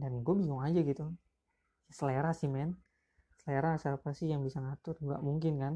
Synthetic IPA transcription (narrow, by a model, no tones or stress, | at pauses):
danɡuabiŋɔŋad͡ʒaɡit̪u | jasəleɾasɪhmɛn | səleɾasapasɪjaŋbisaŋat̪ʊruɡa̰ʔmuŋkɪnkan